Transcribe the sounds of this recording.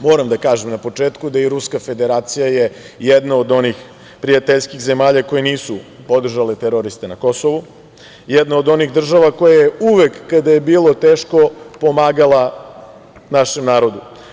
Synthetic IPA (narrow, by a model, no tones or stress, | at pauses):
mo̞ːɾamd̪akaːʒemnapo̞t͡ʂeːt̪kud̪aiɾuskafe̞d̪e̞ɾaːt̪sijaje̞ | jed̪naod̪o̞nix | pɾijat̪eʎskiɣze̞maːʎako̞jeniːsu | po̞d̪r̩ʒalet̪eɾo̞ɾist̪enako̞soʋu | jed̪naod̪o̞niɣd̪r̩ʒaʋako̞jajeuʋekːad̪aje̞biːlˠo̞t̪eːʃkopo̞maːɡalˠa | naʃe̞mnaːɾo̞d̪u